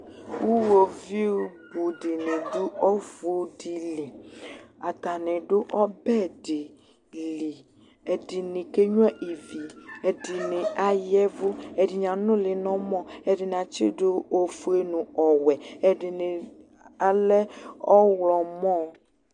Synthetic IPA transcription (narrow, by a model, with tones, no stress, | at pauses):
wu˦wo˨vi˦u˦bu˨ɖɪ˨nɪ̃˨dʊ˦ɔ˦vu˦di˨li˨ | a˨t̪a˨nɪ̃˨ɖʊ˦ʔɔ˦bɛ˦˨dɪ˨ | li˨ | e˨dɪ˨nɪ̃˨ke˦ɲu˦ɛ˦ʔi˨vi˨ɛ˨di˨nɪ̃˨a˨jɛ˦vʊ˦ɛ˨dɪ˨ɲã˨nʊ̃˦lɪ˨nɔ̃˦mɔ̃˦ɛ˨dɪ˨nã˨t͡ʃɪ̰˦ɖʊ˦o˦fu˦e˦nũ˨ɔ˨wɛ˨ɛ˨dɪ˨nɪ˨ | a˨lɛ˦ɔ˦wlɔ˨mɔ̃˦